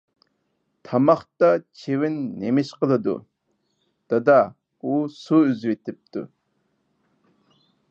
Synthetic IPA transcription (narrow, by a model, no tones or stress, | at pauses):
t̪ʰamɑχt̪at͡ʃʰewinːemeʃqələd̪ṵ | t̪əd̪a | usoyzwet̪ɨp̚t̪ṵ